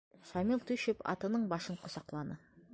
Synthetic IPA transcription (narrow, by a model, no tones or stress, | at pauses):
ʃɑmilˠt̪ʰʉʃɪpɑ̰t̪ənəɴbɑʃəɴqʰʊsɑqlˠɑnə